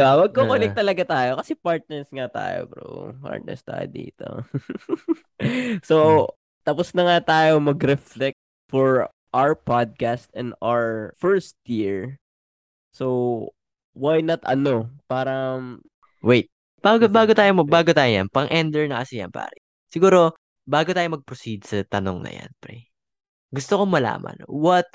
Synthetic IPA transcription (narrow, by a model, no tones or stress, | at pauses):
bawɐɡ̚kokonɛk̚t̪ɐlɐɡat̪aːjokɐsɛpaɹt̪̚nɛɹsŋat̪a̰ːjo̰pɛɾo̰pa̰ɹt̪̚nɛ̰ɹst̪a̰ːjo̰d̪ḭːt̪o̰ | so | t̪ɐpʊsnɐŋat̪aːjomɐɡɾɛflɛk̚t̪̚ | fɔɹ | ʔawəɹpad̪̚kast̪ɛ̃naɹfɛɹst̪jiɹ | sow | wajnɐt̪ɐ̰nopaːɾɐ | wejt̪̚ | b̥aːɡobaːɡot̪aːjomɐbaːɡot̪aːjoja̰npɐŋʔɛnd̪ɛɹnɐŋkɐsɪjɐ̰npa̰ːɾɛ | sɪɡuːɾo̞ | baːɡot̪aːjomɐɡ̚pɾosid̪sɐt̪ɐno̰ŋnɐ̰ja̰npɛ̰ | ɡʊst̪okomɐla̰ːmɐ̰nwɐt̪̚